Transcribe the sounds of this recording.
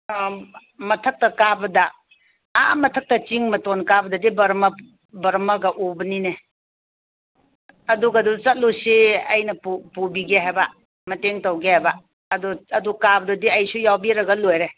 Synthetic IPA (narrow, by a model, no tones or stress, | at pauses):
mɐtʰɐk̚tɐkabɐdɐ | a̰mɐtʰɐk̚tɐt͡ʃiŋmɐtonkabɐdɐdibɐɾmɐ | bɐɾmɐɡɐʔubɐnine | ɐduɡadut͡ʃɐt̚lusiɐ̰jnɐpupubiɡeɦajba | mɐteŋtɐwɡehajba | ɐduɐdukabɐdudiɐjsujawbiɾɐɡɐlojɾe